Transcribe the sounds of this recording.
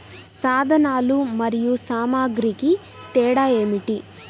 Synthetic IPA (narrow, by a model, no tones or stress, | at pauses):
saːd̪ʱɐnaːlumɐɾijusaːmaːɡɾiki | t̪ɛːɽaːe̞ːmiʈi